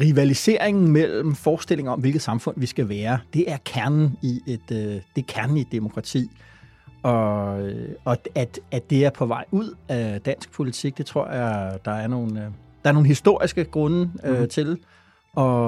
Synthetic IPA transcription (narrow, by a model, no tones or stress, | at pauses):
ʁiʋælise̝ɐ̰e̝ŋn̩mel̰m̩fɒːsd̥e̝l̰e̝ŋɐɒ̽mʋelɡ̥ð̩ˠsɑ̈mfɔ̽n̰ʋisɡ̥æʋæːɐd̥e̝ʔæɐkʰæɐnn̩ied̥d̥e̝kʰæɐnn̩id̥emo̝kʰʁɑ̈t͡sʰḭː | ɒ̽øɒ̽æd̥ːd̥e̝æɐpʰɒ̽ʋɑ̈ɪ̰uð̰ˠæd̥æn̰sɡ̥̚pʰo̝lit͡sʰiɡ̥̚d̥e̝t͡sʰʁo̝ɐ̰jɑ̈d̥ɑ̈æɐno̝ːn | d̥ɑ̈æɐno̝ːn̩hisd̥o̝ɐ̰isɡ̥əɡ̥ʁɔ̽nəøt͡sʰe̝l | ʔɒ̽